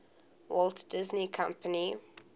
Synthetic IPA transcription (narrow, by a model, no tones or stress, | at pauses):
wɔltd̥ɪznikʰãmpəni